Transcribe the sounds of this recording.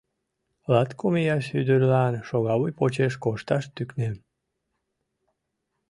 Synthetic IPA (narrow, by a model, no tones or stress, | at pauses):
lɑt̪komejɑʃyd̪əɾlɑnʃoɣɑβujpot͡ɕeʃkoʃt̪ɑʃt̪yknem